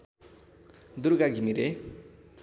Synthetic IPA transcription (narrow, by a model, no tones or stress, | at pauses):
d̪uɾɡaɡʱimiɾe